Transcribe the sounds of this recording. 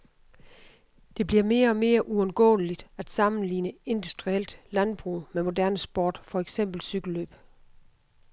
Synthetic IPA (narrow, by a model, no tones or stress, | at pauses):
d̥e̝b̥liɐme̝ːɐɒ̽me̝ːɐʔuɒ̽nɡ̥ɔ̰̽ːlid̥æd̥sɑ̈mn̩lḭːnəe̝nd̥usd̥ʁiel̰d̥lænb̥ʁṵmemo̝dæɐnəsb̥oːd̥fɒ̽eɡ̥sem̰b̥l̩syɡ̥l̩løːb̥